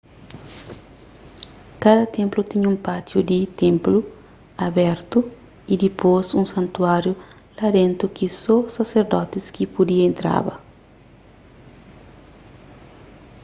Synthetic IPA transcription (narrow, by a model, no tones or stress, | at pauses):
kad̪ɐt̪ẽmplut̪iɲũmpat̪jud̪it̪ẽmplu | ɐbɛɾt̪u | id̪iposũŋsɐ̃nt̪uaɾju | lad̪ẽnt̪ukisosaseɾd̪ɔt̪iskipod̪iɐẽnt̪ɾa̰bɐ̰